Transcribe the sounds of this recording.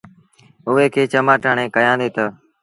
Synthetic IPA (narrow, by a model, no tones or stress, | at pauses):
ʊɦeːkʰeːt͡ʃəmaːʈaːɳẽːkəjãːnd̪eːt̪əː